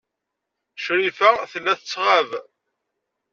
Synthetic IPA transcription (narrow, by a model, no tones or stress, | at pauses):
ʃɾifæθəlːæθət͡sːʁav